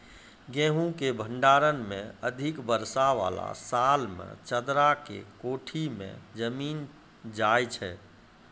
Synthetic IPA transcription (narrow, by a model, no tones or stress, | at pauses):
ɡẽɦũkebʱəɳɖaɾənmẽəd̪ʱikbəɾsaʋa̰la̰salmḛ̃t͡ʃəd̪ɾakḛkoʈʰimḛ̃d͡ʒəmiːn | d͡ʒajt͡ʃʰɛ